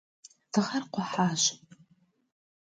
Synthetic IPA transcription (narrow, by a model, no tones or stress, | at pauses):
d̥ɨʁɐrqʷʊħaːɕ